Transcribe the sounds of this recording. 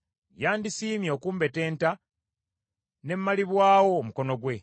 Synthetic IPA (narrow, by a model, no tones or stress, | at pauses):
jaːndisiːmjo̞ːkuːmbe̞te̞ːnta | ne̞mːaliβwaːwo̞ːmuko̞no̞ɡwe̞